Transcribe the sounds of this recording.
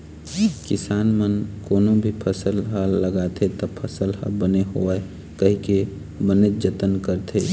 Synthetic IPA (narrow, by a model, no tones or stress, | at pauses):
kɪsaːnmənkoːnõbʱipʰəsəlɦəːəɡat̪ʰet̪ɔpʰəsəlhə̰bəneɦoae | kəɦike | bənet̪̚d͡ʒət̪ənkəɾt̪ʰe